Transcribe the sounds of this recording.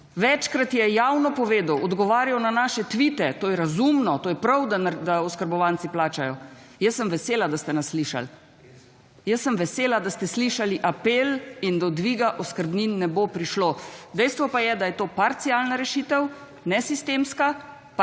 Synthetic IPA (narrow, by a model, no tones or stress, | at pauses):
ʋɛt͡ʃkɾat̪jɛjawnɔpɔʋeːd̪əwɔd̪ɡɔʋaːɾjawnanaːʃɛt̪ʋit̪ɛt̪oːjɛɾazumnɔt̪oːjɛpɾɐwd̪ad̪aɔskəɾbɔʋaːnt̪siplaːt͡ʃajɔ | jəsːəmʋɛseːlad̪ast̪ɛnasliʃa̰l | jəsːəmʋɛseːlad̪ast̪ɛsliʃaliʔapelind̪ɔd̪ʋiːɡaʔɔskəɾbninːɛbopɾiʃloːd̪ɛjst̪ʋɔpajɛd̪ajɛt̪oːpaɾt̪sialnaɾɛʃit̪əw | nɛsist̪eːmska | p